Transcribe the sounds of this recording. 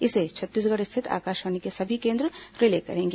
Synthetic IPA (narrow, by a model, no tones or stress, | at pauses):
ɪset͡ʃʰɐt̪ːiːs̬ɡɐɽɪst̪ʰɪt̪ʰa̰ːkaːʃʋaːnikesɐbʱikẽːnd̪ɾəɾɪleːkɐ̰ɾẽːŋɡeː